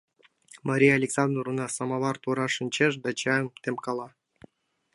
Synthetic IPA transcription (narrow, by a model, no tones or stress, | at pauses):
maɾʲijaalʲeksɑnd̪runɑsɑmɑβɑrt̪uɾɑʃɨnʲt͡ɕeʃ̬d̪ɑt͡ɕɑmt̪emkɑlɑ